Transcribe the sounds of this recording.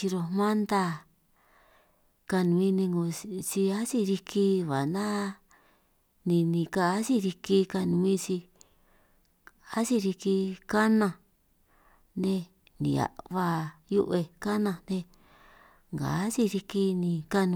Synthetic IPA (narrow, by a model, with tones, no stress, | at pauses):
t͡ʃi˧ɾo˧mã˦nd̪a˦ | ka˧nũ˨mĩ˦˧nĩ˧ŋɡo˧t͡ʃi˧a˦si˦ɾi˧kʰi˦˧βa˨nã˦ | nĩ˧nĩ˧ka˧˦si˦ɾi˧ki˧ka˧nũ˧mĩ˦t͡ʃi˧ | a˦si˦ɾi˧ki˧ka˦nã˧˨ | nẽ˧ | nḭ̃˨a̰˨ʔβa˧ju˦ʔe˧ka˦nã˧˨nẽ˧ | ŋɡa̰˨˦si˦ɾi˧ki˧nĩ˧ka˦nũ˧